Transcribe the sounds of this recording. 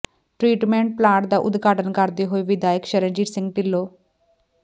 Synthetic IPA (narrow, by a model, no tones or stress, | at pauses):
ʈɾiːʈmẽːɳʈ̚plaːʈd̪aːʔʊd̪ɡaːʈənkəɾd̪iːɦoːiːʋɪd̪aːjəkʃəɾənd͡ʒiːʈsɪ̃ŋɡʈɪlːoː